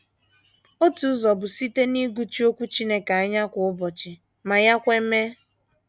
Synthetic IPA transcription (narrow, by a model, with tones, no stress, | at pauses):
o˦tu˨˦zɔ˨bʊ˨si˦te˦ni˦ɡu˦t͡ʃi˦o˦kʷu˦t͡ʃi˦ne˦ka˨a˦ɲa˦kʷʊ˨ʊ˦bɔ˨t͡ʃɪ˨ | ma˨ja˦kʷe˦m̩˦me˦